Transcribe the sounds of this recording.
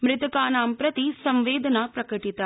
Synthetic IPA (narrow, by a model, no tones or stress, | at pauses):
mɾɪt̪ɐkaːnaːmpɾɐt̪isɐ̃mʋeːd̪ʱɐnapɾɐkɐʈit̪a